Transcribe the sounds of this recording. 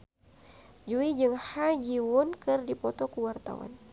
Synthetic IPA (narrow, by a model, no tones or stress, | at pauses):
d͡ʒuid͡ʒɨŋhad͡ʒiwʊnkɨrdipɔt̪ɔkəwart̪a̰wa̰n